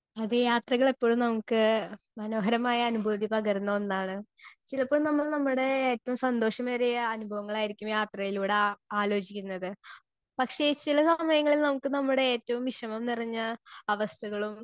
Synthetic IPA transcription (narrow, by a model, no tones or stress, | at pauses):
ɐðɨjaːt̪rɐɣɐɭipːo̞ːɻumnɐmukːɨ | mɐno̞ːɦɐɾɐmaːjɐːnubʱoːd̪ipɐɣɐɾunːɐɐnːaːɳɨt͡ɕilɐpːoːɻumnɐmːɐɭnɐmːuɽe̞eːtːɐʋumsɐnd̪o̞ːʂɐmɐɾijɐɐnubʱɐʋɐŋːɐɭaːjiɾikʲːumjaːt̪rɐjiluːɽeaːlo̞ːd͡ʑikʲːunːɐðɨ | pɐkʂe̞t͡ɕilɐsɐmɐjɐŋːɐɭilnɐmukːɨnɐmːuɽe̞eːtːɐʋumiʂɐmɐmniriɲːɐɐʋɐst̪ʰuɣɐɭum